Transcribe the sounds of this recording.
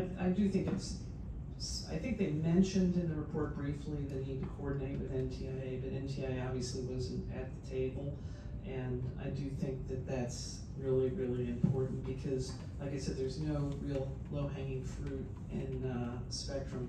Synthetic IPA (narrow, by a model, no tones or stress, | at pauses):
a̰ɪdɨθɪ̃ŋkɨts | a̰ɪθɪ̃ŋk̚ðeɪmɛ̃nʃɨ̃ndɨ̃nðɨɹɨpʰɔɹt̚b̥ɹifliðɨ̃nid̚tɨkʰoɔɹdⁿn̩eɪt̚wɨðɛ̃ntʰiaɪbʌɾʔɛ̃ntʰiaɪɑbviɨsliwʌzɨ̃n̩tɨt̪̚ðɨtʰeɪbl̩ˠ | ʔɨ̃na̰ɪdɨθɪ̃ŋk̚ðɨt̪̚ðæts | ɹɪlˠiɹɪlˠiɨ̃mpʰɔɹʔn̩b̥ɨkʰʌz | laɪkaɪsɛd̪̚ðə˞znoʊɹilˠ | loʊɦæ̃ŋɪ̃ŋfɹʉɾ | ʔɪ̃nspɛk̚tɹ̥ɨ̃m